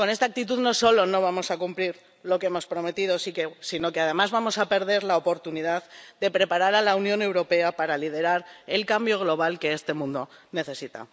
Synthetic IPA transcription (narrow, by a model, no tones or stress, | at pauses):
ko̞ne̞st̪aːk̚t̪it̪̬uðno̞so̞lo̞no̞β̞amo̞sakumpliɾ | lo̞kee̞mo̞spɾo̞me̞t̪ið̞o̞sikesino̞ke̞að̞e̞mazβamo̞sape̞ɾð̞e̞ɾlaopo̞ɾt̪uniðaðd̪e̞pɾe̞paɾaɾalaunjõ̞ne̞wɾo̞pe̞apaɾalið̞e̞ɾaɾe̞lkambjo̞ɣ̞lo̞β̞alke̞e̞st̪e̞mũnd̪o̞ne̞θe̞sit̪a̰